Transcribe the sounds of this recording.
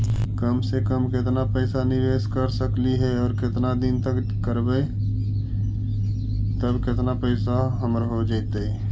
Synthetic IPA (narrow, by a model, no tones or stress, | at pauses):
kəmsekəmkɪt̪napəɪsanɪʋeːskəɾsəkliɦɛɔːɾkɪt̪nad̪int̪ək | kəɾbəe | t̪əbkɪt̪napəɪsaɦəmɾɦod͡ʒaɪt̪e